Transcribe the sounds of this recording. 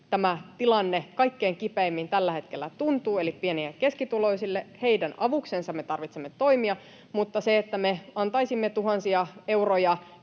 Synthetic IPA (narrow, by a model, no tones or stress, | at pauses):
t̪æmæt̪ilɑnːekɑikːeːŋkipeːmːint̪ælːæhe̞t̪kelːæt̪unt̪uːelippieniekkeskit̪ulo̞isilːehe̞idænɑʋuksensɑmmet̪ɑrʋit̪semːet̪o̞imiɑ | mut̪ːɑseet̪ːæmeɑnt̪ɑisimːet̪uɦɑnsiɑe̞urojɑ